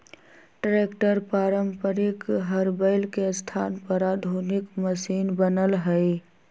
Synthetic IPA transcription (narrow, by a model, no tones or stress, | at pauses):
ʈɾekʈəɾpaːɾəmpəɾɪkɦəɾbəɪlkest̪ʰaːnpəɾad̪ʱunɪkməsiːnbənəlɦəj